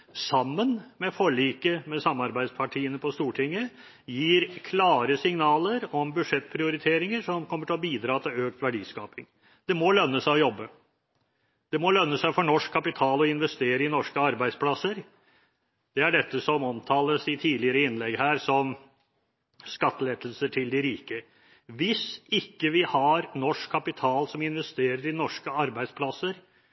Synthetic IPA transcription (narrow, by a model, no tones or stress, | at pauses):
sɑmːənmɛfɔɭiːkəmɛsɑmːɑɾbæɪspʰɑʈʰiːənəpʰɔst̪uːʈʰɪŋːə | jiːɾkʰlɑːɾəsɪŋnɑːləɾɔmbʉd̪ʂɛt̪ːpʰɾɪʊɾɪt̪ʰeːɾɪŋəʂɔmkʰɔmːəʈʰɪlɔbiːd̪ɾɑːt̪ʰɪløːk̚t̪ʋæɖiːskɑːpɪŋ | d̪̥ɛmɔlœnːəsæɪɔjɔbːə | d̪̥ɛmɔlœnːəsæɪfɔɳɔʂkʰːɑpɪt̪ʰɑːlɔɪnʋɛst̪eːɾəɪnɔʂkəɑɾbæɪspʰlɑsəɾ | d̪̥ɛæɖɛt̪ːəsɔmɔmt̪ʰɑːləsɪt̪ʰiːd̪lɪəɾəɪnːlɛɡɦæːɾsɔm | skɑt̪ːəleːd̪əlsəʈʰɪld̪ɪɾiːkə | ʋɪsɪkːəʋɪhɑɾnɔʂkʰːɑpɪt̪ʰɑːlsɔmɪnʋɛst̪eːɾəɾɪnɔʂkəɑɾbæɪspʰlɑsəɾ